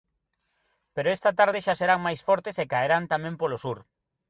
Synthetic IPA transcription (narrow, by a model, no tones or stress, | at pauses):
peɾoest̪at̪aɾð̞eʃaseɾaŋmajsfɔɾt̪esekaeɾant̪amẽmpolosuɾ